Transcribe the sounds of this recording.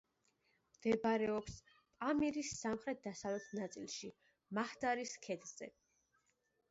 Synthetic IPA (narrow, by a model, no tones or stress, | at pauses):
md̪̥ɛbɾɛɔps | pʼamiɾisːamχɾɛt̪̚d̪asavlɛt̪ʰnat̪sʼilˠʃi | mahd̪aɾiskʰɛd̪z̥ɛ̰